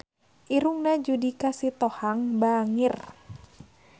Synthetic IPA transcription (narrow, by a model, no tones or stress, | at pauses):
ʔiɾuŋnad͡ʒudikasit̪ɔhaŋbaŋir